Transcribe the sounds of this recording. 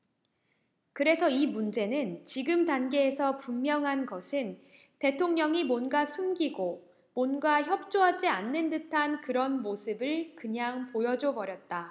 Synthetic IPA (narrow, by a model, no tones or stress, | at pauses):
kɯɾe̞sʰʌimund͡ʑe̞nɯnt͡ɕiɡɯmtanɡe̞ːsʰʌpummjʌŋɦanɡʌsʰɯn | te̞tʰoŋɲʌŋimwʌnɡasʰumɡiɡo | monɡaçjʌp̚t͡ɕ͈oɦad͡ʑianːɯndɯtʰankɯɾʌnmosʰɯbɯɭkɯɲaŋpojʌd͡ʑobʌɾjʌt̚t͈a